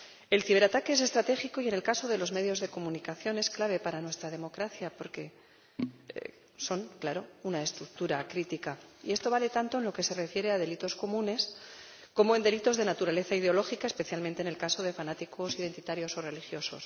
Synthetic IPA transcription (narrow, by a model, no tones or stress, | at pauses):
e̞lθiβ̞e̞ɾat̪akees̬e̞st̪ɾat̪e̞xiko̞ie̞ne̞lkaso̞ðe̞lo̞zme̞ðjo̞zðe̞ko̞mũnikaθjo̞ne̞sklaβ̞e̞paɾanwe̞st̪ɾað̞e̞mo̞kɾaθjapo̞ɾke̞ | so̞nklaɾo̞unae̞st̪ɾuk̚t̪uɾakɾit̪ikaḭe̞st̪o̞β̞ale̞t̪ant̪o̞e̞nlo̞ke̞se̞re̞fje̞ɾe̞aðe̞lit̪o̞sko̞mũne̞s | ko̞moe̞nd̪elit̪o̞zðe̞nat̪uɾale̞θaið̞eo̞lo̞xikaespe̞θjalmẽnt̪ene̞lkaso̞ðe̞fanat̪iko̞siðe̞nt̪it̪aɾjo̞sore̞lixjo̞so̞̰s